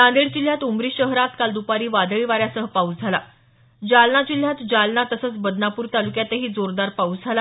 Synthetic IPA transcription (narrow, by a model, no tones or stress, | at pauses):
t̪ãnd̪eɭd͡ʑil̤jat̪umɾiːɕəɦɾat̪kald̪upaɾiːʋad̪əɭiʋaɾjasəɦəpaud͡zʱala | d͡ʑalnad͡ʑil̤jat̪d͡ʑalnat̪əsət͡sbəd̪ʱnapuːɾt̪alukjat̪eɦiːd͡zoɾd̪aɾpaud͡zʱala